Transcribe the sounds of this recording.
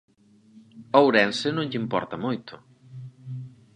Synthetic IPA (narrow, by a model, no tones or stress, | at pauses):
owɾɛnsɪnõŋʎimpɔ̰ɾt̪ɐmojt̪ʰʊ